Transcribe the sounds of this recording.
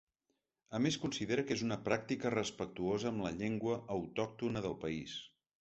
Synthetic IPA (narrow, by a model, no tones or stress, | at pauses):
əmeskunsiðeɾəkezunəpɾak̚t̪ikərəspək̚t̪uozəːmləʎeŋɡwəʔːwt̪ɔk̚t̪unəðəlˠpəis